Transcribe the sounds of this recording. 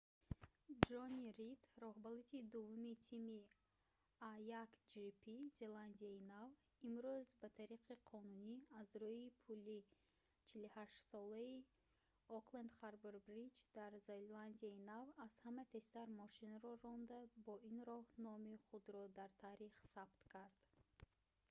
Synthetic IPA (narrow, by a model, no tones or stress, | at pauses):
d͡ʒɔniɾid̪ɾɔhbalit̪ʰid̪uvːumit̪ʰimi | ajakd͡ʒipʰize̞land̪iainav | imɾuzbat̪ʰaɾiqʰiqʰɔnuniazɾujipʰuli | t͡ʃʰiluhaʃt̪sɔlai | ɔkland̪χaɾbeɾbɾid͡ʒd̪aɾzeland̪iainavaz̥hamæt̪ʰe̞st̪aɾmɔʃinɾɔɾɔnd̪abɔinɾɔhnɔmiχud̪ɾɔd̪aɾt̪ʰaɾiχsabt̪kʰaɾd̪̥